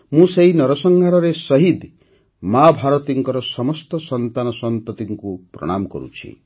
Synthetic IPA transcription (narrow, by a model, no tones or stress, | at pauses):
mũseɦinɔɾɔsɔŋɡʱaɾɔɾesʌɦid̪ | mabʱaɾɔt̪iŋkɔɾɔsɔmɔst̪ɔsɔnt̪anɔsɔmp̪ɔt̪iŋkupɾɔ̰ɽ̃amɔkɔ̰ɾṵt͡ʃʰḭ